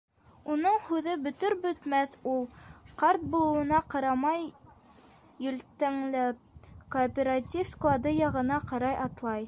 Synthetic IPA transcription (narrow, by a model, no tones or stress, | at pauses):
unɤɴhʉðɘbɵ̆t̪ɵɾbɵ̆t̪mæθulˠqɑɾt̪̚bulˠɤ̆wɤ̆nɑqɑɾɑmɑj | ɵ̆lt̪æŋlæp̚koːpʲeɾatʲifsklˠad̪ɤjɑʁɤ̆nɑqɑɾɑjʔɑt̪lˠɑj